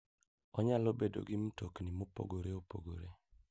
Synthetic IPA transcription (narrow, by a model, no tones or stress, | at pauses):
ɔɲalobedo̰ɡim̩toknimopo̰ɡoɾeopo̰ɡoɾe